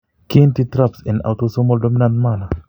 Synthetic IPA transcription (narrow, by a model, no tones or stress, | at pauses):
kintitɾapsĩna̰wtosomɔldominãntmana